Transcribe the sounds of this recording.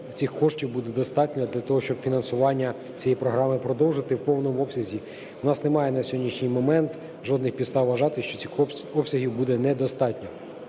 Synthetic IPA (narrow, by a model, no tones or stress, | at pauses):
t͡sʲixkɔʂtʲiwbud̪ɛd̪ɔst̪ɑtʲnʲɐd̪lʲɐt̪ɔɦɔʃt͡ʃɔbfʲinɐnsʊʋɑnʲːɐ | t͡sʲijejpɾɔɦɾɑmɪpɾɔd̪ɔwʒɪt̪ɪwpɔwnɔmɔpsʲɐzʲi | wnɑsnemɑjɛnɐsʲɔɦɔdʲniʃnʲɪjmɔmɛnt̪ | ʒɔd̪nɪxpʲist̪ɑwʋɐʒɑt̪ɪʃt͡ʃɔt͡sʲixɔpsʲɐɦʲiwbud̪ɛnɛd̪ɔst̪ɑtʲnʲɐ